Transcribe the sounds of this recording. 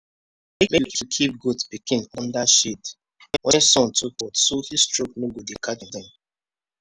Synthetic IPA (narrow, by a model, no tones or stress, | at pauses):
emelkikʰip̚ɡutbikʰĩnɔ̃ndaʃid | ɛ̃wɛ̃nsɔ̃ntʰuk̚ɔtsohistɹok̚noɡodekʰadĩndɛ̃m